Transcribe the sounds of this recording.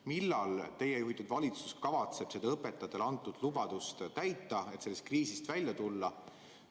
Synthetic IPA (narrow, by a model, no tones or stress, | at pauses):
milːɑlt̪e̞jejuɦit̪ːˑud̪̥vɑlʲit̪suskɑvɑt̪se̞b̥sed̪ɑɤpːe̞t̪ːˑɑt̪ːelɑnt̪ːˑud̪̥lubɑd̪̥ust̪t̪æjt̪ːˑɑe̞t̪se̞lːest̪̚kriːsist̪vælʲjɑt̪ulːɑ